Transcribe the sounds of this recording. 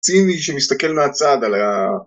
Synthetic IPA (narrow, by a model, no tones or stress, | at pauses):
t͡siniʃemist̪ake̞lmeat͡sad̪ala